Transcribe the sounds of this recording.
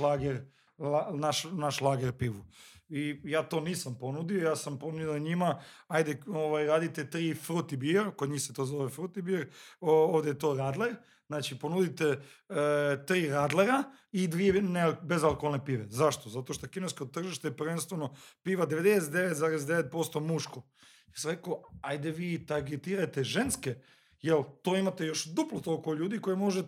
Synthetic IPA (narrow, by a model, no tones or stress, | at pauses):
laːɡeɾ | lanaʃnaʃlˠaːɡeɾpiːʋuijaːt̪o̞niːsampo̞nud̪iojaːsampo̞nuaɲimaajd̪eoʋajɾaːd̪it̪e̞t̪ɾiːfɾut̪ibiɾkod̪ɲiːxset̪o̞ːzo̞ʋefɾut̪ibiɾooʋd̪ejet̪o̞ːɾaːd̪le̞ɾ | znaːt͡ʃipo̞nud̪it̪e̞ | t̪ɾiːɾaːd̪leɾa | id̪ʋienebe̞zalkoolnepiːʋḛzaʃt̪ozat̪oʃt̪okineskot̪ːr̩ʒiʃt̪epr̩ʋenst̪ʋeno̞piːʋad̪e̞ʋed̪eset̪d̪eʋet̪zaːɾes̬d̪eʋet̪̚po̞st̪o̞muʃko | jesamɾekoːajd̪eʋiːt̪aɾɡet̪iːɾajt̪eʒenske | jelt̪oːimat̪ejo̞ʃd̪uplot̪olkoʎuːd̪iko̞jemo̞ʒe